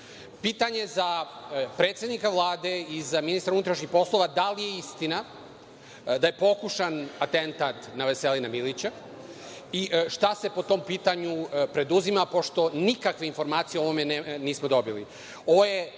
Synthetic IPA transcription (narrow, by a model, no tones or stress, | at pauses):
piːt̪aɲe̞zapɾet̪sʲed̪nikaʋlˠaːd̪e̞izaminist̪ɾunut̪ɾaʃɲixpo̞slˠo̞ʋad̪alije̞ist̪ina | d̪aje̞po̞kuʃanat̪ent̪at̪naʋe̞selinamilit͡ɕa | iʃt̪ase̞po̞t̪o̞ːmpiːt̪aɲupɾe̞d̪uzimapo̞ʃt̪o̞nikakʋe̞info̞ɾmaːt̪sijeoʋomeneniːsmo̞d̪o̞bili | o̞ʋoje